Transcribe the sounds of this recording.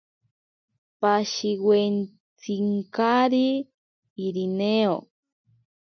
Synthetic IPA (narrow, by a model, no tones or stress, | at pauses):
paʃiwen | t͡siŋkaɾiː | ɾineo̰